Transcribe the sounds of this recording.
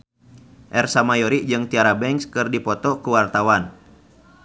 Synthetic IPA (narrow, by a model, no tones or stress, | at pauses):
ʔɛrsamajɔɾid͡ʒɨŋt̪iaɾabɛŋkskɨrdipɔt̪ɔkuwart̪awan